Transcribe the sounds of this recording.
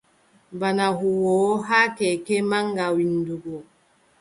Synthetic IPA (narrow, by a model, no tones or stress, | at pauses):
banaɦuwoːɦakɛkemaŋɡawinduɡo